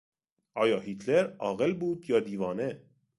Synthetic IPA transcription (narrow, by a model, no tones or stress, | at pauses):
ɒːjɒːhit̪ʰleɾɒːɣelbuːd̪jɒːd̪iːvɒːne